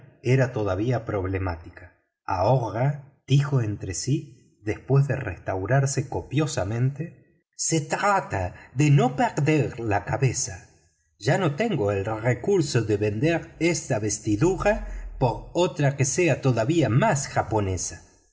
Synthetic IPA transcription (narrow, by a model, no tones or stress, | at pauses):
eɾat̪o̞ðaβiapɾo̞βlemat̪ika | a̰oɣad̪̥ixo̞ent̪ɾesi | ðe̞spwe̞zðḛrḛst̪awɾaɾse̞ko̞pjo̞samẽ̞nt̪e | se̞t̪ɾat̪aðeno̞peɾðeɾlakaβe̞sa | ʒ̥ano̞t̪e̞ŋɡoelrekuɾso̞ðeβe̞nd̪eɾest̪aβe̞st̪iðuɾapo̞ɾot̪ɾakeseat̪o̞ðaβiamasxapo̞ne̞sa